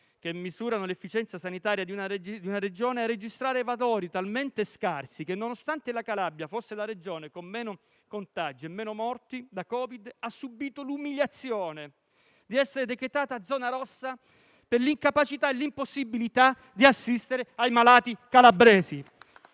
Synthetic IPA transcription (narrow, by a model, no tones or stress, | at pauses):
k̟emːizuːɾanolefːit͡ʃɛnt̪sasanit̪aːɾjad̪iunad̪iunaɾed͡ʒoːnearːed͡ʒist̪ɾaːɾevalɔːɾit̪alment̪eskarsikenːonost̪ant̪elakalabːjafosːelaɾed͡ʒoːnekomːɛːno | kont̪ad͡ʒiemːɛːnomɔrt̪id̪akɔːvid̪asːubiːt̪olumiʎat̪sːjoːne | d̪iɛsːeɾed̪ekɾet̪aːt̪aːd̪zːɔːnaɾɔsːa | perliŋkapat͡ʃit̪aelimposːibilit̪a | d̪iasːist̪eɾeajmalaːt̪ikalabɾɛːzi